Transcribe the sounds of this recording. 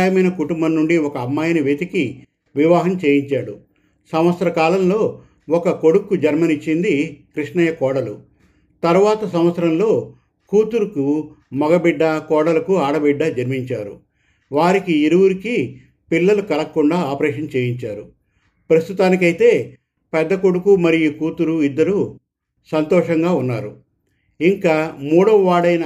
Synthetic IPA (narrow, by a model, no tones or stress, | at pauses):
jɐmɐjnɐkuʈumbɐnːuɳɖiɔkɐːmːaːjɐniʋeːt̪iki | ʋiʋaːɦɐmt͡ʃe̞ːjiɲt͡ʃaːɽu | sɐmʋɐt̪sɐɾɐkaːlɐmlo̞ː | ɔkɐkoɽukːud͡ʒɐɾmɐnit͡ʃːind̪ikɾiʂɳɐjɐkɔːɽɐlu | t̪ɐɾʋaːt̪ɐsɐm̃ʋɐt̪sɐɾɐmlo̞ː | kuːt̪uɾukumɔɡɐbiɖːɐkɔːɽɐlɐkuaːɽɐbiɖːɐd͡ʒɐɾmiɲt͡ʃaːɾṵ | ʋaːɾikiiɾuwuɾiki | pilːɐlukɐlɐkːuɳɖaːaːpɐɾɛːʂɐnt͡ʃeːjiɲt͡ʃaːɾu | pɾɐst̪ut̪aːnik̬ɐjit̪e̞ː | pɛd̪ːɐkoɽukumɐɾijukuːt̪uɾuid̪ːɐɾu | sɐnt̪ɔːʂɐŋɡaːunːaːɾu | iŋkaːmuːɽɐʋɐʋaːɽɐjnɐ